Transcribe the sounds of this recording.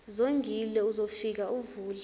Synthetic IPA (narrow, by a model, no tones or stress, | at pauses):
zoŋɡʱilɛuzofik̬auvuːl